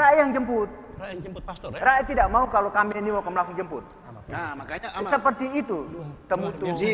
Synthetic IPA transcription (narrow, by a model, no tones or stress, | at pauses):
raejaŋd͡ʒəmpʊt̪̚ | raet̪idaʔmaukalokamɛnimakanməlakuŋd͡ʒəmpʊt̪̚ | səpərt̪iːt̪ut̪əmut̪u